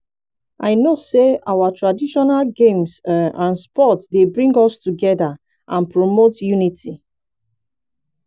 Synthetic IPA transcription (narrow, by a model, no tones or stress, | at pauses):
ʔaɪnoseawatɹadiʃɔnalɡẽmsãnspɔtsdebɹĩŋɡɔstuɡɛða | ʔãnpɹomotjunitʰi